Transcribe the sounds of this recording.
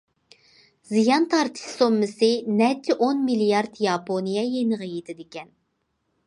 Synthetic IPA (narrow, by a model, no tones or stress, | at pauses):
zijɑnt̪ʰɑɾt̪ʰɨ̥ʃsomːɨsɨnɛt͡ʃʰːɪʔonmilijɑɾd̪jɑpʰonijɛjenəʁəjet̪ʰɪd̪ɪkʲɛn